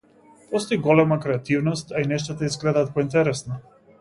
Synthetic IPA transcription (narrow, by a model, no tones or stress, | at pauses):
pɔst̪oiɡɔlɛmakɾɛat̪ivnɔst̪ainɛʃt̪at̪aizɡlɛd̪aːt̪̚pɔint̪ɛɾɛsna